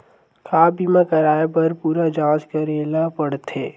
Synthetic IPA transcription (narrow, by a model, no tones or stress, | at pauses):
kʰaːbimãkɐɾaːepɐɾpuːɾad͡ʒaːd͡ʒkɐɾeːlapəɽt̪ʰeː